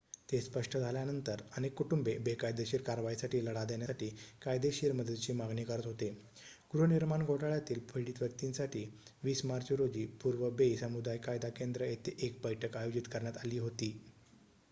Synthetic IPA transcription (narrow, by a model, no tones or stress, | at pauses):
t̪espəʂʈʰəd͡zʱaljanənt̪əɾəñekːuʈumbebekajd̪eɕiːɾkaɾʋajisaʈiːləɽad̪eɳjasaʈiːkajd̪eɕiɾməd̪əd̪t͡ɕiːmaɡɳiːkəɾət̪ɦot̪e | ɡ̥ɾuniɾmaɳɡʱoʈaɭjat̪iːlpʰəjɽiːt̪ʋjək̚t̪insaʈʰiːʋiːsmaɾd͡ʑɾod͡ʑiːpuɾʋəbesəmud̪ajkajd̪akend̪ɾəjet̪eʔek̚bəjʈʰəkajod͡ʑit̪kəɾɳjat̪aliːɦot̪iː